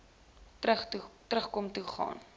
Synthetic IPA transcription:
χtɾəχkomtuχɑ̰ːn

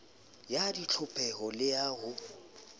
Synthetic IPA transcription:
jadit͡ɬʰʊpʼɛɦɔlɪjaːɣʊ

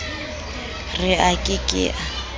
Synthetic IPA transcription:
rɪakʼɪkʼɪ̰ʔa

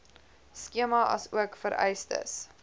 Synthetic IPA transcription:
skiəmɐʔɐ̰suəkfəɾʔɛ̰jstə̰s

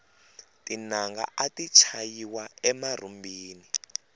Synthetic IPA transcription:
tinaŋɡa̰ʔatit͡ʃʰajiwaɛmar̤umbiːni

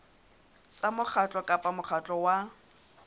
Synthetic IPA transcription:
t͡samʊk͡xʰat͡ɬʼɔkʼapʼamʊχʰat͡ɬʼɔwa

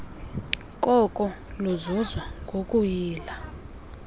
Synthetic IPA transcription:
kʼɔkʼɔ | luzuzwaŋɡʱokʼujiːla

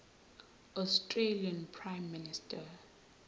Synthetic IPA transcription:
ɔstʼreliãnpʰɹajmːinistʰa

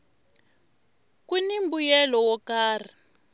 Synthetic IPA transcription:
kunimbujɛlɔwɔkaːr̤i

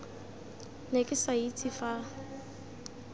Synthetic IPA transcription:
nekʼɪsait͡sʰifa

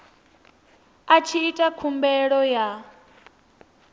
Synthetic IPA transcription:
at͡ʃʰiːtʼakʰumbɛɺɔja

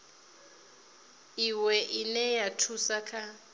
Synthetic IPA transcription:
iwɛʔinɛjatʰusakʰa

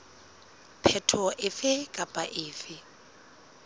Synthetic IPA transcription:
pʰɛtʰɔʔɪfɪkʼapʼaʔɪːfɪ

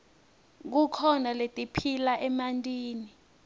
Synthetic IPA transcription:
k̬ukʰɔnaletʼipʰilaʔɛmantʼiːni

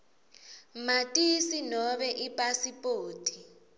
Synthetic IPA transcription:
matʼisinɔɓɛʔipʼasipʼoːtʰʼi

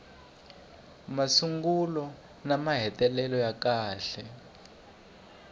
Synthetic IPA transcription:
masuŋɡulɔ | namaɦɛtɛlɛlɔjakaːɬɛ

